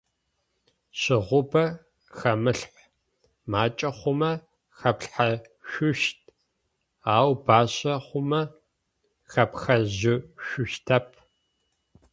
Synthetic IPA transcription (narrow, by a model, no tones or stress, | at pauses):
ɕɪʁʷʊbɐ | xɐmɨɬħ | maːt͡ʃʼɐχʷʊmɐ | xɐpɬħa | ʃʷʊʃt̚ʰ | aːwbaːɕɐχʷʊmɐ | xɐpxɐʑɪʃʷʊʃtʰɐpʰ